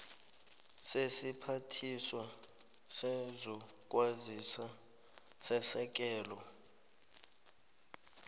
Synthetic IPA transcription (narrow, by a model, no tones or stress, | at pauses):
sesipʰatʰiswa | sɛzɔk̬ʼwazisa | sɛsɛk̬ʼɛːlɔ